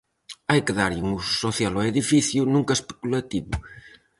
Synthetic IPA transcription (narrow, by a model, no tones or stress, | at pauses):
ajkeðaɾʎuŋusu̥soθjaloeðifiθjunũŋkɐespe̥kulat̪iβʊ̰